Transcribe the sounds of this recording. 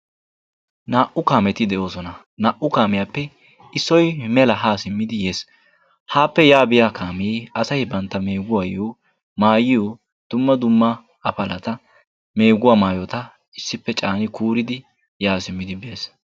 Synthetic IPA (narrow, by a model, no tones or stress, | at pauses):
naːʔʊkaːmɛt̪ɪd̪ɛʔo̞ːsɔnɐ | naːʔʊkaːmɪjapːɛ | ɪsːɔjmɛlɐɦaːsɪmːɪd̪ɪje̞ːs | haːpːɛjaːbɪjaːkaːmiːɐsɐjbɐnt̪ːɐme̞ːɡʊwajoː | maːjɪjo | d̪̥ʊmːɐd̪ʊmːɐ | ɐpɐlɐt̪ɐ | me̞ːɡʊwaːmaːjɔt̪ɐ | ɪsːɪpːɛt͡ʃʼaːnɪkuːɾɪd̪ɪ | jaːsɪmːɪd̪ɪbeːs